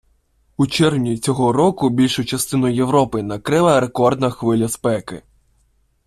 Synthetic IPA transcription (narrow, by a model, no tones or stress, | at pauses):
ut͡ʃɛrwnʲit͡sʲɔɦɔɾɔkʊbʲilʲʃʊt͡ʃɐst̪ɪnʊjjewɾɔpɪnɐkɾɪlˠɐɾe̞kɔrd̪nɐxʋɪlʲɐspɛkɪ̰